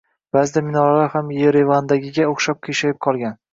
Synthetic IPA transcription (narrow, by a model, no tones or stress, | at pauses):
b̥azɪd̪amɪnɒɾalaɾhamjeɾevand̪aɡʲɪɡʲaoχʃap̚kʲʰeʃajɪp̚qʰɒlˠɡʲan